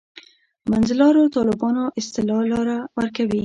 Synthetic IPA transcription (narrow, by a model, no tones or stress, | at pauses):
manzɪlɑɾot̪ɑlɪbɑnoʔɪst̪ɪlɑlɑɾawəɾkawi